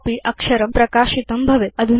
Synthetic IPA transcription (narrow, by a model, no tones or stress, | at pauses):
piːʔɐkʂɐɾɐmpɾɐkaːʃit̪ɐmbʱɐʋeɐd̪ʱu